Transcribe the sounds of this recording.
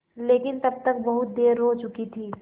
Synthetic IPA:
leːkɪnt̪ɐb̚t̪ɐk̚bɐɦʊt̪̚d̪eːɾɦot͡ʃʊkit̪ʰiː

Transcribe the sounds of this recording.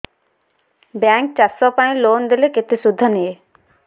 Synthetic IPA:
baŋk̚t͡ʃasɔpaĩlond̪ileket̪isud̪ʱːɔnije

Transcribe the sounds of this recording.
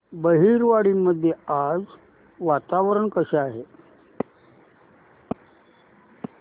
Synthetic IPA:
bəɦiːɾʋaɽiːmːəd̪ʱːjead͡z | ʋat̪aʋəɾəɳkəɕeaɦe

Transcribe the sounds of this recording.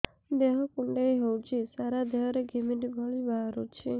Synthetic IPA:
d̪eɦɔkuɳɖejɦɔwt͡ʃʰisaɾad̪ʱeɦɾeɡʱimiʈibʱɔɭibʱaɾut͡ʃʰe

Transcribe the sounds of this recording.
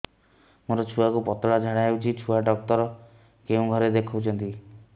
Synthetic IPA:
moɾɔt͡ʃʰuakupɔt̪ɔɽad͡ʒʱaɽaɦeuwt͡ʃʰit͡ʃʰuaɖɔk̚t̪ɔɾɔ | keũɡʱɔɾed̪ekʰɔwt͡ʃʰɔnt̪i

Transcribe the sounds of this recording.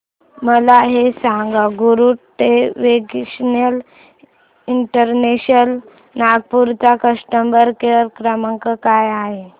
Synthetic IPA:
məlaɦesãŋɡaɡuɾuʈeʋeɡɕnəl | iɳʈəɾneɕəl | naɡ̚puɾt͡sakəsʈəmbəɾkeɾkɾaməŋkəkajaɦe

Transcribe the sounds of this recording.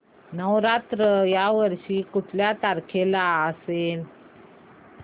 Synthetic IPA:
nəʋɾat̪ɾəjaʋəɾɕiːkuʈʰljat̪aɾkʰelaəsel

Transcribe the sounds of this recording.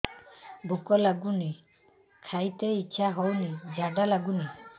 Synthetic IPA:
bʱukɔlaɡuni | kʰajt̪eiːʃʰaɦɔwnid͡ʒʱaɖalaɡuni

